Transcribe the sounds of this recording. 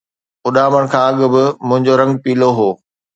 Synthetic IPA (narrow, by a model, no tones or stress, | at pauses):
ʊɗaːməɽ̃kʰãːɐɠʊ̆bɪmʊ̃ɦɪ̃ɲd͡ʑoɾɐ̃ŋɡ̚piːloɦoː